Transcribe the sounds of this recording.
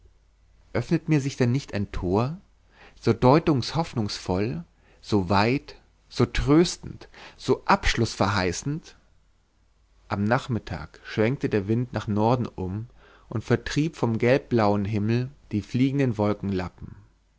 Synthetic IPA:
ʔœfnətmiːɐzɪçd̥ɛnːɪçtaɪntʰoːɐ | z̥oːdɔʏtʊŋshɔfnʊŋsfɔl | z̥oːvaɪt | z̥oːtʁ̥øːstn̩tz̥oːʔapʃlʊsfɛɐɦaɪsn̩t | ʔamnaːχmɪtʰa̰ːkʃv̥ɛŋk̚tədeːɐvɪntnaːχnɔɐdn̩ʔʊm | ʔʊntfɛɐtʁ̥iːpfɔmɡɛlp̚b̥laʊənɦɪml̩d̥iːfliːɡŋ̩dənvɔlkŋ̩lapm̩

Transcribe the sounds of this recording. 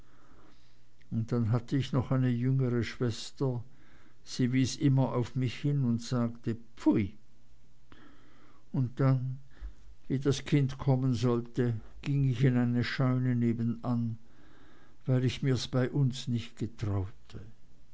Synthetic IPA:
ʊnt̚d̥anɦatʰəɪçnɔχaɪnəjʏŋəʁəʃv̥ɛstɐ | z̥iːviːsʔɪmɐʔaʊfmɪçhɪnʊntz̥aːktəpfuɪ | ʊnt̚d̥an | viːdaskʰɪntkʰɔmənzɔltə | ɡ̥ɪŋɪçɪnaɪnəʃaʏnəneːbən̩an | vaɪlɪçmiːɐsb̥aɪʔʊnsnɪçt̚ɡ̥ətʁ̥aʊtʰə

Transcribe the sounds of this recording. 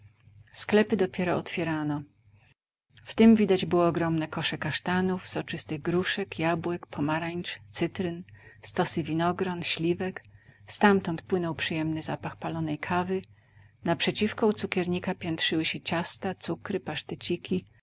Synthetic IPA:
sklɛpɘd̪ɔpʲjɛɾɔɔt̪fʲjɛɾanɔ | ft̪ɘmvʲid̪ad͡ʑbɘwɔːɡɾɔmnɛkɔʂɛkaʂt̪anufzɔt͡ʂɘst̪ɘɣɡɾuʂɛkjabwɛkpʰɔmaɾaɲt͡ʂt̪sɘt̪ɾɘnst̪ɔsɘvʲinɔɡɾɔnɕlʲivɛkst̪amt̪ɔnt̪̚pwɘnɔwpʂɨjɛmnɘzapaxpalɔnɛjkʰavɘ | napʂɛt͡ɕifkɔut̪sukʲɛɾɲikapʲjɛnt̪ʂɘwɘɕɛt͡ɕast̪at̪sukɾɘpaʂt̪ɛt͡ɕikʲi

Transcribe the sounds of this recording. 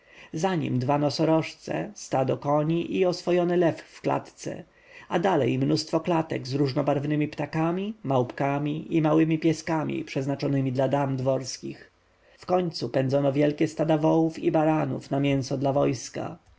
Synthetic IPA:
zaɲḭmd̪vanɔsɔɾɔʂt̪sɛ̰st̪ad̪ɔkɔɲiʔiɔsfɔjɔnɛlɛfːkla̰t̪t̪sɛ̰ | ad̪alɛ̰jmnust̪fɔklat̪ɛ̰ɡzɾuʐnɔbaɾvnɘmʲipt̪akamʲimawpkamʲiʔimawɘmʲipʲjɛskamʲḭpʂɛznat͡ʂɔnɘmʲid̪lad̪amd̪vɔɾskʲix | fkɔɲt̪supɛnd̪zɔnɔvʲjɛlkʲɛst̪ad̪avɔwufibaɾanṵfnamʲjɛ̃ñsɔd̪lavɔjska̰

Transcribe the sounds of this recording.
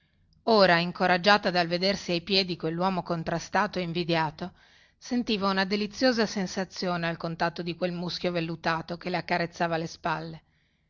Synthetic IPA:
oːɾaiŋkoɾad͡ʒːaːt̪ad̪alved̪ersiajpjɛːd̪ikwelːwɔːmokont̪ɾast̪aːt̪oeiɱvid̪jaːt̪o | sent̪iːvaunad̪elit̪sːjoːzasensat̪sːjoːnealkont̪at̪ːod̪ikwelmuskjovelːut̪aːt̪okeleakːaɾet̪sːaːvalespalːe

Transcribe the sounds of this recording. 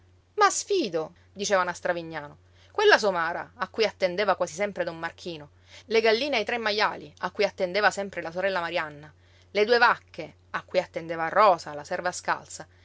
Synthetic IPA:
masfiːd̪o | d̪it͡ʃeːvanast̪ɾaviɲːaːno | kwelːasomaːɾa̰ːkːujat̪ːend̪eːvakwaːzisɛmpɾed̪omːark̟ʰiːno | leɡalːiːneajt̪ɾemːajːaːliakːujat̪ːend̪eːvasɛmpɾelasoɾɛlːamaɾjanːa | led̪uːevakːe | akːujat̪ːend̪eːvarɔːsalasɛrvaska̰lt̪sa

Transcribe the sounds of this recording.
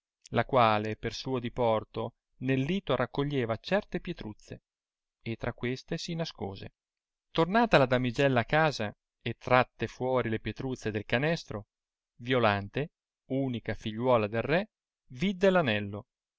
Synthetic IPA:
lakwaːlepersuːod̪ipɔrt̪o | nelːiːt̪oɾakːoʎːeːvat͡ʃɛrt̪epjet̪ɾut̪sːḛ | et̪ːɾakːwest̪esinasko̰ːzḛ | t̪ornaːt̪alad̪amid͡ʒɛlːaːkːaːza | et̪ːɾat̪ːefwɔːɾilepjet̪ɾut̪sːed̪elkanɛst̪ɾo | vjolant̪e | uːnikafiʎːwɔːlad̪elrɛ | vid̪ːelanɛlːo

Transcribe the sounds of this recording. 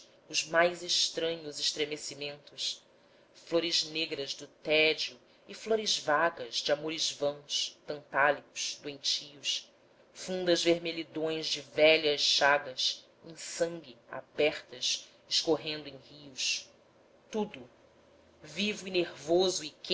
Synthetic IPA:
ʊzmajzeʃt̪ɾɐ̃ɲʊzɪʃt̪ɾemesimẽnt̪ʊʃ | floɾɪzneɡɾɐzd̪ʊt̪ɛd͡ʒiʊ | ɪfloɾɪzvaɡɐzd͡ʒɪamoɾɪzvɐ̃w̃st̪ɐ̃nt̪alikʊ̥ʃd̪uẽj̃t͡ʃiʊs | fũnd̪ɐzveɾmelid̪õj̃zd͡ʒɪvɛʎɐʃːaɡɐs | ẽj̃sɐ̃ŋɡʲɪa̰bɛχt̪ɐʃ | ɪʃkoɦẽnd̪ʊẽj̃hius | t̪ud̪ʊ | vivʊineɾvozʊɪke

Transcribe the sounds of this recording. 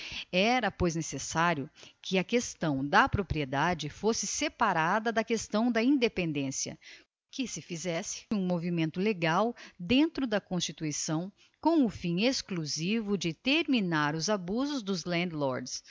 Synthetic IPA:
ɛɾɐpojznesesaɾjʊkʰɪɐkest̪ɐ̃w̃d̪ɐpɾopɾied̪ad͡ʒɪfosɪsepaɾad̪ɐd̪ɐkest̪ɐ̃w̃d̪ɐĩd̪epẽnd̪ẽsiɐ̰ | kɪsɪfizɛsɪ̥ũmovimẽnt̪ʊleɡawd̪ẽnt̪ɾʊd̪ɐkõst͡ʃit̪uisɐ̃w̃ | kõw̃ʊfĩeskluzivʊd͡ʒɪt̪eɾminaɾʊzabuzʊzd̪ʊzlɐ̃nd̪lɔɾds

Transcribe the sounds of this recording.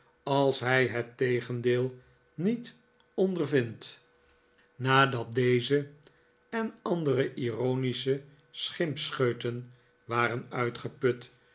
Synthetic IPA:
ɑlˠsɦɛjɦətejχəndeːlˠ | nit | ɔndərvɪnt | naːdɑt̚dejzə | ɛnɑndərəʔironisə | sχɪmpsχøɥtən | ʋaːrənœɥtχəpɵt

